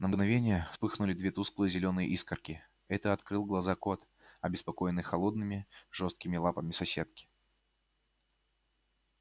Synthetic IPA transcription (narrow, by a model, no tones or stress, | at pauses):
nəmɡnɐvʲenʲɪjəfspɨxnʊlʲɪd̪vʲet̪usklˠɨjzʲɪlʲo̞nɨjə̰ʔiskərkʲɪ | ɛt̪əɐt̪kɾɨlˠɡlˠɐzako̞t̪ | ɐbʲɪspɐko̞jɪnɨjxɐlˠo̞d̪nɨmʲɪʐo̞st̪kʲɪmʲɪlˠapəmʲɪsɐsʲe̞t̪̚kʲɪ̥